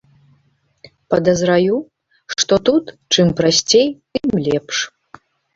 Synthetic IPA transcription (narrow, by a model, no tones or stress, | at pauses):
pɐd̪ɐzɾaju | ʂt̪ɔt̪ut̪ | t͡ʂɨmpɾasʲt͡sʲejt̪ɨmlʲɛpʂ